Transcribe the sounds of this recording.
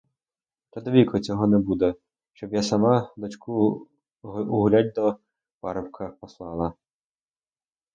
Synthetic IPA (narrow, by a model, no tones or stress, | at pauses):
t̪ɐd̪ɔʋʲikɔt͡sʲɔɦɔnɛbud̪ɛ | ʃt͡ʃɔbjasɐmɑd̪ɔt͡ʃkʰu | ʊɦʊlʲad̚ʲd̪ɔ | pɑ̰ɾɔpkʰɐpɔslˠɑlˠɐ